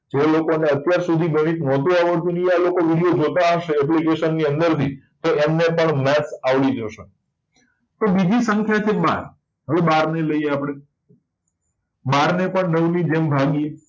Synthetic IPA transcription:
d͡ʒelokoneət̪jaɾsud̪ʱiɡəɽ̃it̪nɔt̪ũaʋəɭt̪ũnəialokoʋiɽijod͡ʒot̪aaʃeəp̬likeʃənːiənd̪əɾt̪ʰi | t̪oʔemnepəɳmɛtsaʋlid͡ʒoʃe | t̪obid͡ʒisəŋkʰjat͡ʃʰeba̰ɾ | ɦəʋebaɾneləieapɽ̃e | baɾnepəɳnəʋnid͡ʒembʱaɡie

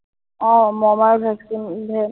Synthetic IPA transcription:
ɔ̃mɔmaɹbʱɛksinbʱɛ

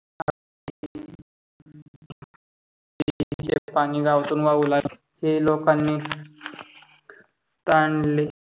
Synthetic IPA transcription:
a | i | it͡ɕḛpaɽ̃iːɡaʋt̪uːnʋaula | helokanːiː | t̪aɳle

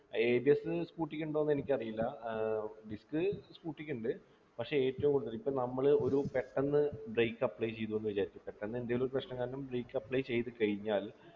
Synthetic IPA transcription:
eːbiesɨskuːʈːikʲːuɳɖoːnːe̞nikʲːɐrijilːɐ | ɖiskɨskuːʈːikʲːuɳɖɨ | pɐkʂe̞eːtːɐʋumkoɽt̪ːɐlipːonɐmːɐɭo̞ɾupe̞ʈːɐnːɨbrejkːɐpːɭɐjt͡ɕe̞jt̪uʋenːuʋɐt͡ɕːaːɾit͡ɕːɨpe̞ʈːɐnːɨend̪iɐjiloɾupɐʂnɐŋːaːnnumbreːkːɐpːɭɐjt͡ɕe̞jt̪ɨkɐɻiɲːaːl

